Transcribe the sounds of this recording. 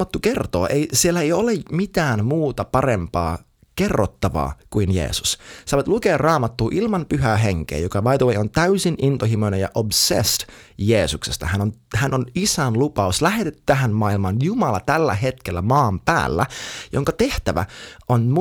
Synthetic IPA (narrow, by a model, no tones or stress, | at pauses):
ɑt̪ːuke̞rt̪o̰ːʔeisielːæejo̞lemit̪æːnmuːt̪ɑpɑɾempɑ̰ː | ke̞rːot̪ːɑʋɑ̰ːkuinjḛːsu̥ssɑːʋɑt̪lukeːrrɑːmɑt̪ːuːʔilmɑmpyɦæːɦeŋkḛːjokɑʋɑjd̪owejont̪æysinʔint̪ohimonejɑʔobsḛst̪ | jeːsuksest̪ɑ̰ɦænonhænonisænlupɑuslæhet̪et̪ːy̥t̪æɦænmɑːilmɑnjumɑlɑt̪ælːæ̰ɦe̞t̪kelːæmɑːmpæ̰ːlːæ̰jo̰ŋkɑt̪e̞ht̪æʋæ̰ʔonm